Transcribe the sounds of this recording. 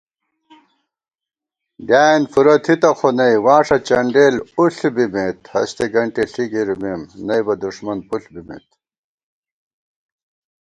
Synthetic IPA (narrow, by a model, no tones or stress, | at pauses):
d̪jaːinfuɾɐt̪ʰit̪ɐxʰonɐjwaːʂɐt͡ɕɐɳɖeːluɬbimet̪hɐ̰st̪eɡɐɳʈiɬiɡiɾmimnɐjbɐd̪uʂmɐnpuɬbimḛt̪̚